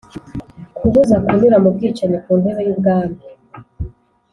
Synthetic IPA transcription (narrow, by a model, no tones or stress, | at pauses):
kʰuβuzakunuɾamub̚ɡiːt͡ʃaɲikuːndeβejubɡaːmi